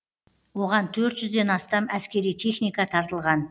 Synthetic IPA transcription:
wo̞ʁɑnt̪ʰɵɾt̪ʒʏzd̪e̞nɑst̪ɑmæskʲe̞ɾijt̪ʰe̞χnijkɑt̪ʰɑɾt̪əlˠʁɑn

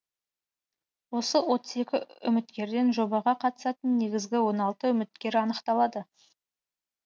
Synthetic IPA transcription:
wo̞səwo̞t̪ə̥ze̞kʲɪʏ̰mɪt̪kʲe̞ɾd̪e̞nʒo̞bɑʁɑqʰɑt̪ə̥sɑt̪ənːe̞ɡʲɪzɡʲɪwo̞nɑlˠt̪əʏmɪt̪̚kʲe̞ɾɑnəqt̪ɑlˠɑd̪ə

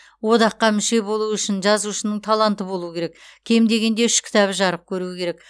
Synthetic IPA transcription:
wo̞d̪ɑqːɑmʏʃe̞bo̞lˠuʏʃɪnʒɑzuʃənəɴt̪ʰɑlˠɑnt̪əbo̞lˠuəkʲʰe̞ɾe̞kkʲʰe̞md̪e̞ɡʲe̞nd̪e̞ʏʃkʲʰɪ̥t̪ɑβɪʒɑɾəp̚kʲʰɵɾuɪkʲʰe̞ɾek̚

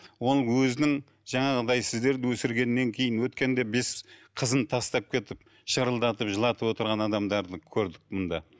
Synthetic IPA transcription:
wo̞lˠwɵzɪnɪŋ | ʒɑɴɑʁəd̪ɑjsɪzd̪e̞ɾd̪ɪwɵsɪɾɡʲe̞nːe̞ŋkʲʰe̞jɪnwɵt̪kʲe̞nd̪e̞be̞sqʰəzənt̪ʰɑst̪ɑp̚kʲʰe̞t̪ɪp̚ | ʃəɾəlˠd̪ɑt̪əpʒəlˠɑt̪əpwo̞t̪əɾʁɑnɑd̪ɑmd̪ɑɾd̪əkʲʰɵɾd̪ɪk̚mʊnd̪ɑ

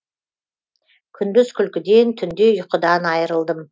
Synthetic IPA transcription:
kʲʰʏnd̪ʏzkʲʰʏlkʲɪd̪e̞nt̪ʰʏnd̪e̞ʊjqəd̪ɑnɑjəɾəlˠd̪əm

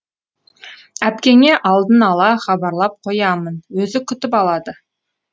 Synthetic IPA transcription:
æpkʲe̞ŋe̞ʔɑlˠd̪ənɑlˠɑχɑbɑɾlˠɑp̚qʰojɑmənwɵzɪkʲʰʏt̪ɪpɑlˠɑd̪ə

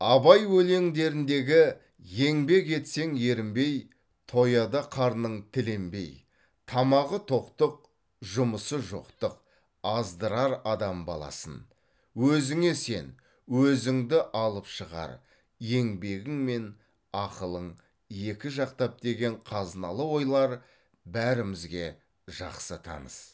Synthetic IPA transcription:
ɑbɑjwɵle̞ŋd̪e̞ɾɪnd̪e̞ɡʲɪ | je̞ŋbe̞ke̞t̪se̞ŋe̞ɾɪmbe̞j | t̪ʰo̞jɑd̪ɑqʰɑɾnəɴt̪ʰɪlembe̞̰j | t̪ʰɑmɑʁət̪ʰo̞qt̪əq̚ | ʒʊməsəʒo̰qt̪əq̚ | ɑzd̪əɾɑɾɑd̪ɑmbɑ̰lˠɑ̰sə̰n | wɵzɪŋe̞se̞̰n | wɵzɪŋd̪ɪʔɑlˠəpʃəʁɑ̰ɾ | je̞ŋbe̞ɡʲɪŋme̞n | ɑqəlˠəɴ | je̞kʲɪʒɑqt̪ɑp̚d̪e̞ɡʲe̞ɴqʰɑznɑ̰lˠəwo̞jlˠɑɾ | bæɾɪmɪzɡʲe̞ | ʒɑ̰qsət̪ʰɑ̰nəz̥

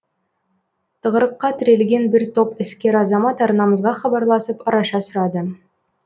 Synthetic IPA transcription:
t̪ʰəʁəɾəqːɑt̪ʰɪɾe̞lɡʲe̞nbɪɾt̪ʰo̞pɪskʲe̞ɾɑzɑmɑt̪ɑɾnɑməzʁɑχɑbɑɾlˠɑsəpɑɾɑʃɑsʊɾɑd̪ə

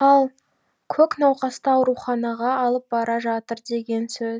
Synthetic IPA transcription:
ɑlˠ | kʲʰɵknɑwqɑst̪ɑɑwɾuχɑnɑʁɑːlˠəp̚bɑɾɑʒɑt̪əɾd̪e̞ɡʲe̞nsɵz

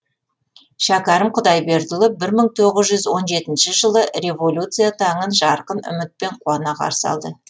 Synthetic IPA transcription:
ʃækɑɾəmqʰʊd̪ɑjbe̞ɾd̪ʊlˠəpbɪɾməɴt̪ʰo̞ʁəzʒʏzwo̞nʒe̞t̪ɪnʃɪʒəlˠəre̞vo̞lʲut̪sɨjat̪ʰɑɴənʒɑɾqənʏ̰mɪt̪̚pe̞ɴqʰuɑnɑqʰɑ̰ɾsɑ̰lˠd̪ə

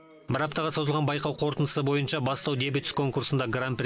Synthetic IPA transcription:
bəɾɑp̚t̪ɑʁəso̞zəlˠʁɑnbɑjqɑwqʰo̞ɾt̪ənd̪əsəbo̞jənʃɑbɑst̪ɑwd̪e̞bɪt̪skʰo̞ŋkursənd̪ɑɡranp

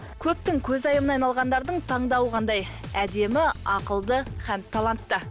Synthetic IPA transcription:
kʲʰɵp̚t̪ɪŋkʲʰɵzɑjəmənɑjnɑlˠʁɑnd̪ɑɾd̪əɴt̪ʰɑɴd̪ɑwəʁɑnd̪ɑj | æd̪e̞mɪɑqəlˠd̪əχænt̪ʰːɑlˠɑnt̪ːə

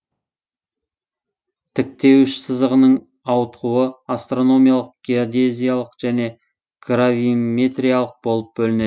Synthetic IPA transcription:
t̪ʰɪk̚t̪e̞wɪʃsəzəʁənəɴ | ɑwət̪quəast̪ro̞no̞mijalˠəq̚ɡ̥ʲeod̪e̞zijalˠəqʒ̥æne̞ | kʰɾavime̞t̪rʲijalˠəq̚bo̞lˠəp̚bɵlɪne̞

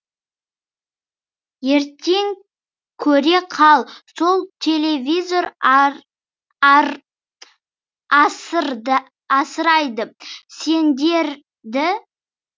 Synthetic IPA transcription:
je̞ɾt̪e̞ŋ | kʲʰɵɾe̞qʰɑlˠso̞lˠt̪ʲʰe̞lʲe̞vʲijzo̞ɾ | s | ɑsəɾɑjd̪əse̞nd̪e̞ɾ | d̪ɪ

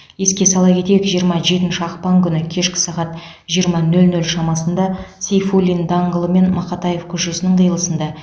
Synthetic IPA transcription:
je̞skʲe̞sɑlˠɑkʲʰe̞t̪e̞jkʒijəɾmɑʒe̞t̪ɪnʃɪɑqpɑŋkʲʰʏnɪkʲʰe̞ʃkʲɪ̥sɑʁɑt̪ | ʒijəɾmɑnɵlnɵlʃɑmɑsənd̪ɑsʲejfulʲind̪ɑɴʁəlˠəme̞nmɑqɑt̪ɑje̞fkʲʰʏzʒʊsənəɴqəjəlˠəsənd̪ɑ

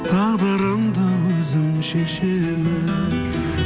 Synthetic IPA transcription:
t̪ʰɑʁd̪ɑɾɑmd̪əwɵzɪmʃeʃeɾmɪ

